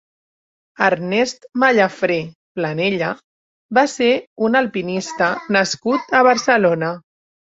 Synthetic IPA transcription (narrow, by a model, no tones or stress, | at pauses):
əɾnɛst̪maʎafɾepləneʎə | baseunalpinist̪ənəskut̪əβəɾsəlonə